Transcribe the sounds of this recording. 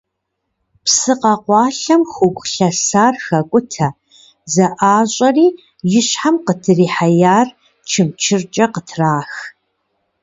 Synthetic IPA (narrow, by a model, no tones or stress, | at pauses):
psɨqɑqʷɑːɬɐmxʷʊɡʷɬɐsaːrxɐkʷʼʊtʰɐ | zɐʔaːɕʼɐriː | jɪɕħamqətʰɨriːħajaːr | t͡ʃʰɨmt͡ʃʰɪrt͡ʃʼɐqətʰraːx